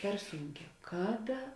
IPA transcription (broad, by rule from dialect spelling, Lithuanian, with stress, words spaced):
pʲɛr ˈsuːŋʲˌkʲɛː ˈkɑːˌdɐ